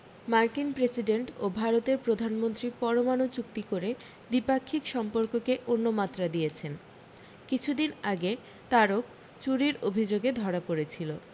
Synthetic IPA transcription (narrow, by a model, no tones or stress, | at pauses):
maɾkinpɾesiɖeɳʈobʱaɾot̪eɾpɾod̪ʱanmont̪ɾipɔɾomanot͡ɕuk̚t̪ikoɾe | d̪ipakʰːikʃɔmpoɾkokeʔonːomat̪ːɾad̪ijet͡ɕʰen | kit͡ɕʰud̪inaɡe | t̪aɾok | t͡ɕuɾiɾobʱid͡ʑoɡed̪ʱɔɾapoɾet͡ɕʰilo